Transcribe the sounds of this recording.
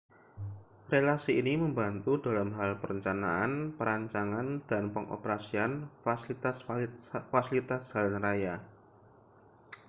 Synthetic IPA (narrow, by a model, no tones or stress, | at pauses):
relasiːniməmbant̪uda̤lamɦalpəɾəɲt͡ʃana̰ʔanpəɾaɲt͡ʃaŋand̥anpəŋʔo̰pəɾasian | asfasilit̪ashalanraja